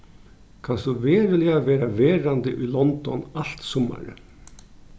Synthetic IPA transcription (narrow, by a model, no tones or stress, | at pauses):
kʰanst̪uveːɾɪlɪaʋɛːɾaveːɾand̪ɪʔʊjlɔnt̪ɔ̰nal̥t̪sɔma̰ɾə̰